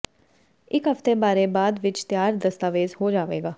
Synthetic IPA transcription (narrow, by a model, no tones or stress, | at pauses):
ɪkɦəft̪eːbaːɾeːbaːd̪ʋɪt͡ʃt̪jaːɾd̪əst̪aːʋeːzhoːd͡ʒaːʋeːɡaː